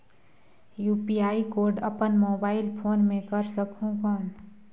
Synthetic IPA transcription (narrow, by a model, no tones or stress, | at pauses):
juːpiaːikoɾɖəpənmoːbaːɪlpʰoːnmẽkəɾsəkʰũkɔn